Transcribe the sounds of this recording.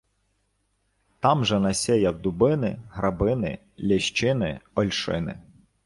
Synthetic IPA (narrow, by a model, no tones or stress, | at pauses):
t̪ɑmʒɛnɐsʲɛjɐwd̪ʊbɪnɪɦɾɐbɪnɪ̰ | lʲɐʃt͡ʃɪnɪɔlʲʃɪ̰nɪ̰